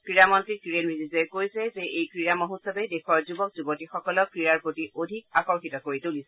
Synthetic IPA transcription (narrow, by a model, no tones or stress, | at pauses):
kɹiɹamɔntɹikɹiɹenɹizizɛkoɹjsɛzeʔejkɹiɹamoɦutsɔbɛdexʰɔɹzubɔk̚zubɔtixɔkɔlɔkɹiɹaɹpɹotiʔodʱik̚akɔɹxitɔkoɹitulisɛ